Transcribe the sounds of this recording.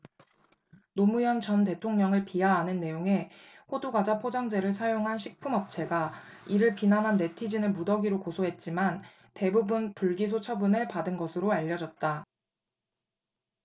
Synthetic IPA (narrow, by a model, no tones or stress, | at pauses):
nomujʌnt͡ɕʌnt̬e̞tʰoŋɲʌŋɯɭpiaɦanɯnːe̞joŋe̞ | ɸoduɡwad͡ʑapʰod͡ʑaŋd͡ʑe̞ɾɯɭs̬ʰajoŋɦanɕʰik̚pʰumʌp̚t͡ɕʰe̞ɡa | iɾɯɭpinamɦanːe̞tʰid͡ʑinɯɭmudʌɡiɾokosʰoɦe̞t̚t͡ɕ͈iman | te̞bubunpuɭɡisʰot͡ɕʰʌbunɯɭpadɯnɡʌsʰɯɾoaʎːʌd͡ʑʌt̚t͈a